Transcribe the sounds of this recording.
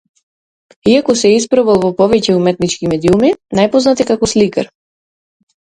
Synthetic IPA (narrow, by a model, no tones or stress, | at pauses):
iakɔsɛispɾɔvɛlˠvɔpɔvɛcɛumɛt̪nit͡ʃkimɛd̪iuminajpɔznat̪ikakɔslika̰ɾ